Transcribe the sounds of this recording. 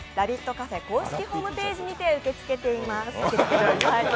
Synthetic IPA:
ɾabʲit̪ːo̞kafe̞ko̞ːɕi̥kʲiho̞ːmɯ̟pe̞ːʑiɲ̟it̪e̞ɯ̟ke̞t͡sɨ̥ke̞t̪e̞imasɯkeɨ̥k̪eai

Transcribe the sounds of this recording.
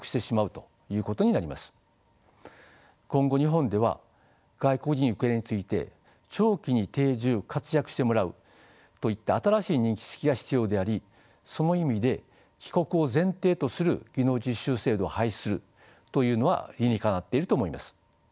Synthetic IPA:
kɯ̟̥ɕt̪e̞ɕimaɯ̟t̪o̞̥ | jɯ̟ːko̞t̪o̞ɲ̟inaɾʲimasɨ̥ | kõ̞ŋɡo̞ɲ̟iɦõ̞nd̪e̞β̞a̰ | ɡ̥aiko̞kɯ̟d͡ʑiɲ̟ɯ̟keɾeɲ̟it͡sɨit̪e̞̰ | t͡ɕo̞ːkʲiɲ̟it̪e̞ːʑɨːkʰat͡sɨjakɯ̟ɕi̥t̪e̞mo̞ɾaɯ̟̰ | t̪o̞it̪ːaːt̪aɾaɕiːɲ̟ĩŋkʲi̥se̥kʲiɡaçʲi̥t͡sɨjo̞ːd̪e̞aɾʲi | so̞no̞imʲid̪e̞ | kʲi̥ko̞kɯ̟o̞zẽ̞nt̪e̞ːt̪o̞sɨɾɯ̟̰ɡ̥ʲino̞ːd͡ʑiɕːɨːse̞ːd̪o̞ahaisɨɾɯ̟ | t̪o̞jɯ̟ːno̞βa̰ɾʲinʲikanat̪ːe̞iɾɯt̪oːmo̞imasɨ̥

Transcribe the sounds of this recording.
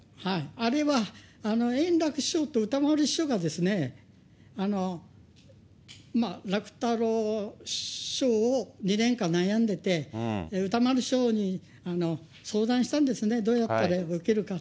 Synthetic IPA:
haiaɾe̞βaːno̞ẽ̞nɾakɯ̟ɕo̞ːt̪o̞ɯ̟t̪amaɾɯ̟ɕo̞ɡad̪e̞sɨne̞ | ano̞ | maɾakɯ̟̥t̪aɾo̞ | ɕo̞ːɲinẽ̞ŋkãnːajãnd̪e̞t̪e̞ɯ̟t̪amaɾɯ̟ɕo̞ːɲ̟i | ano̞ | so̞ːd̪ãɰ̃ɕi̥t̪ãnd̪e̞sɨne̞d̪o̞ːjat̪ːaɾaɯkeɾɯ̟ka

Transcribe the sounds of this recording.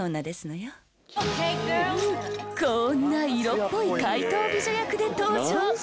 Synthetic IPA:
oːnad̪e̞sɨnojo | konːaiɾopːoikait̪o̞ːbʲiɕojakɯ̟d̪e̞t̪o̞ːʑoː

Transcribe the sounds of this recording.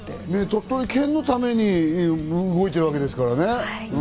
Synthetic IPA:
net̪ot̪ːoɾʲikʰẽ̞nːo̞t̪ame̞ɲ̟iː | ɡo̞it̪e̞ɾɯβake̞d̪esɨ̥kaɾanẽ̞

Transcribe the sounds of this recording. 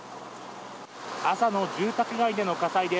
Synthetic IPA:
asano̞d͡ʑɨːt̪akɯ̟ɡaid̪e̞no̞kasaid̪e

